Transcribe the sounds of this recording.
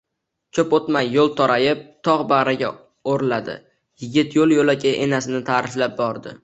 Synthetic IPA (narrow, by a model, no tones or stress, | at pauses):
kʲʰɵpot̪majːolˠt̪ʰɒɾajɪp̚t̪ʰɒʁbaɾaɡʲa | oɾlad̪ɪ̰ | jɪɡʲɪt̪jolˠjolakʲaʔenasɪnɪt̪ʰaːɾɪflap̚bɒɾd̪ɪ